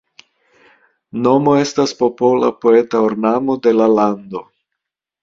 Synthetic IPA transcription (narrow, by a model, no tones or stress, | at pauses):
no̞mo̞e̞staspo̞po̞la̰po̞et̪aoɾnamod̪e̞laland̪o̞